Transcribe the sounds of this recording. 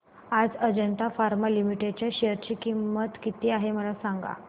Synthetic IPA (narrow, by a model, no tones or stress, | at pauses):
ad͡zəd͡ʑənt̪afaɾmalimiʈeɖt͡ɕjaɕeəɾt͡ɕiːkimːət̪kit̪iːaɦeməlasaŋɡa̰